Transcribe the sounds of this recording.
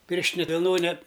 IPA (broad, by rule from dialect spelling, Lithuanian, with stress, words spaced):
ˈpʲɪrʲʃʲtʲɪnʲɛ ʋʲɪlˠˈnoːnʲɛ